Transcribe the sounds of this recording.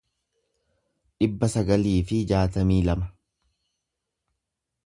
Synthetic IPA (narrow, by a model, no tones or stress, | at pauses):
ᶑɪbːɐsɐɡɐliːfɪd͡ʒaːt̪ɐmiːlɐmɐ